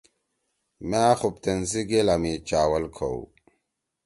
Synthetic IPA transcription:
maːxup̚t̪enziɡelamit͡ɕaːwɐlkʰo̰w

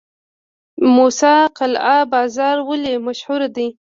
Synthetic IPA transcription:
musɑqalɑbɑzɑɾwəlemaʃhʊɾad̪i

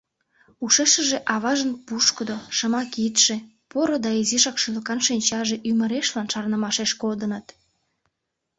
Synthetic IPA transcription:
uʃeʃəʒeʔɑβɑʒənpuʃkəd̪oʃəmɑkit̪ʃe | poɾod̪ɑiziʃɑkʃylə̆kɑnʃinʲt͡ɕɑʒeʔyməɾeʃlɑnʃɑrnəmɑʃeʃkod̪ənət̪

